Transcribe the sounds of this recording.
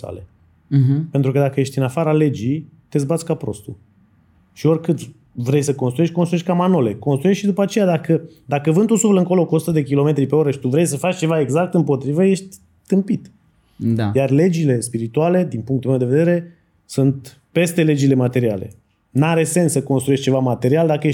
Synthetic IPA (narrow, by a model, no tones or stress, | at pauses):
a̰lḛ | pent̪ɾukəd̪akəje̞ʃt̪ʲɨnafaɾale̞d͡ʒit̪e̞zbat̪sʲkapɾo̞̰st̪ṵ | ʃio̞rʲkɨt̪sʲ | vɾe̞jsəko̞nst̪ɾueʃʲkonst̪ueʃʲkamano̞le̞ko̞nst̪ɾujeʃʃid̪upat͡ʃe̞jad̪akə | d̪akəvɨnt̪usufləɨŋko̞lo̞kuosut̪əd̪e̞k̬ʲilo̞me̞t̪ɾipe̞o̞ɾəʃi̥t̪uvɾe̞jsəfat͡ʃʲt͡ʃe̞vae̞ɡzak̚t̪ɨmpo̞t̪ɾivəje̞ʃt̪ʲ | t̪ɨmpit̪ | ajarle̞d͡ʒile̞spiɾit̪uale̞d̪inpuŋkt̪ulmewd̪e̞ve̞d̪e̞ɾe̞ | sunt̪ | pe̞st̪e̞le̞d͡ʒile̞mat̪e̞ɾia̰le̞̰ | naɾe̞se̞nsːəko̞nst̪ɾue̞ʃt͡ʃe̞vamat̪e̞ɾiald̪akəjeʃ